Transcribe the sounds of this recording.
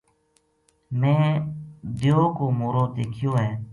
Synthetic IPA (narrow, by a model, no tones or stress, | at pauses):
mɛ̃ː | d̪ɪjoːkoːmoːɾoːd̪eːkʰɪjoːɦɛ̃ː